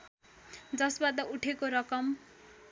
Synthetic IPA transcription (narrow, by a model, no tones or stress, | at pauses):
d͡zʌsbad̪ʌuʈʰekoɾʌkʌm